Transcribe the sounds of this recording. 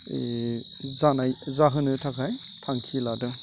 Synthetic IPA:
e | zanajzaɦɯnɯtʰakʰaj | tʰaŋkʰiladɯ

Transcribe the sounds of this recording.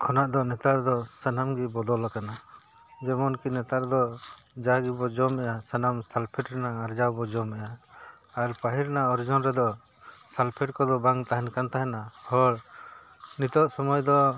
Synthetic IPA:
kʰɔnaʔd̪ɔnɛt̪aɾd̪ɔsənamɡibɔd̪ɔlakana | d͡ʒɛmɔnkinɛt̪aɾd̪ɔ | d͡ʒaɡibɔd͡ʒɔmɛjasənamsalpʰɛʈɾɛnaaɾd͡ʒawbɔd͡ʒɔmɛjaː | ɾpaɦiɾnaɔɾd͡ʒɔnɾɛd̪ɔ | salpʰɛʈkɔd̪ɔbaŋt̪aɦɛnkant̪aɦɛnahɔɽ | nit̪ɔʔsɔmɔjd̪ɔ

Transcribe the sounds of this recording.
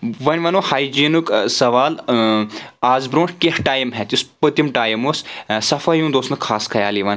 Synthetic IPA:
ʋɐnʲʋɐnohaːjd͡ʒiːnuksɐʋaːl | aːzbɾõːɳʈkehʈaːjimɦɛt̪ʲuspət̪imʈaːjimoːssɐfʰɐjũːd̪oːsnɨkʰaːskʰɐjaːliʋɐn

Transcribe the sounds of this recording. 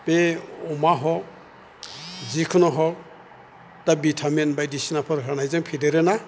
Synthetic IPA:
peɔmaɦɔk̚ | zikʰɯnɔɦɔk̚ | d̥abitʰamenbajdisinapʰɯɾɦanajzɯŋpʰideɾɯna

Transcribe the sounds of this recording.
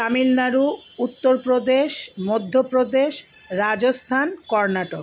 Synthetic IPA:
amilnaɾuut̪ːoɾpɾod̪eʃmɔd̪ʱːopɾod̪eʃ | ɾad͡ʑost̪ʰankɔɾnaʈok

